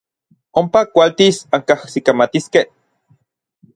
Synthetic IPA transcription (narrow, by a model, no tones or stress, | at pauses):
ompakʷalt̪isaŋkahsikamat̪iskeh